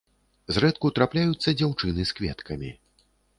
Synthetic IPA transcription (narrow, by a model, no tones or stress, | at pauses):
zrɛt̪kut̪ɾaplʲajut̪sːɐd͡zʲawt͡ʂɨnɨskvʲɛ̰t̪kʰɐmʲi